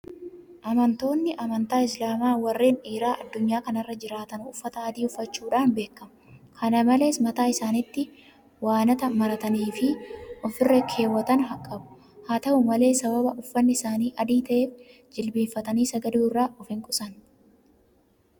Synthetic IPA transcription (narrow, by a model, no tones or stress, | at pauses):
ʔɐmɐnt̪o̞ːnːɪʔɐmɐnt̪aːɪslaːmaːwɐrːeːniːɾaːʔɐd̪ːʊɲːaːkɐnɐrːɐd͡ʒɪɾaːt̪ɐnʊfːɐt̪ɐːd̪iːʊfːɐt͡ʃːuːᶑaːnbe̞ːkːɐm | kʰɐnɐmɐle̞ːsmɐt̪aːɪsaːnɪt̪ːɪ | waːnɐt̪ɐmɐɾɐt̪ɐniːfɪʔɔfɪrːɛkʰe̞ːwːɐt̪ɐnɦɐkʼːɐbʊ̥ | haːt̪ɐʔʊmɐle̞ːsɐbɐbɐʔʊfːɐnːɪɪsaːniːʔɐd̪iːt̪ɐʔe̞ːf | d͡ʒɪlbiːfːɐt̪ɐniːsɐɡɐd̪uːrːaːɔfɪŋkʼʊsɐn